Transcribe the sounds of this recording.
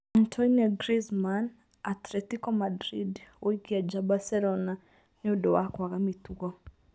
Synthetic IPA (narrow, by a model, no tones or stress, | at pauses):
antʰɔnɔɡɾizman | atlɛtikɔmadɾidoikiad͡ʒabasɛlɔna | niudɔwakwakamitukɔ